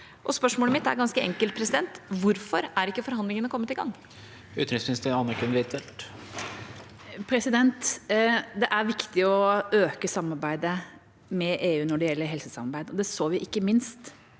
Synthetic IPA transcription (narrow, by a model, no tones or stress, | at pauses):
ʔɔspœʂmoːləmɪt̪ːæ̰ɾɡɑnskəɛ̰ŋkəlt̪̚pʰɾɛsɪd̪ɛnt̪ʋʊɾfɔɾæɾɪkːəfɔɾɦɑnd̪lɪŋənəkʰɔmːət̪ɪɡɑ̰ŋː | ʉ̰ːt̪ɾɪsɪnst̪ʰɪɑnːəkʰʉnʋɪt̪ʰɛlt̪ | pʰɾɛsɪd̪ɛnt̪ | d̪ɛʔæɾʋɪkt̪ɪɔøːkəsɑmːɑɾbæɪd̪ə | mɛʔeːʉːnɔɖɛjɛlːəɾɦɛlsəsɑmɑɾbæɪd̪ɔd̪ɛsoːʋɪʔɪkːəmɪnst̪